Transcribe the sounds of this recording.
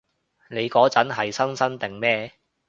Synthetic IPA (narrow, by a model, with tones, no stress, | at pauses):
ne˨˧jkɔː˨˥t͡sɐ˨˥nɦɐ˨jsɐ˥nsɐ˥nt̪ɪ˨˩ŋmɛː˥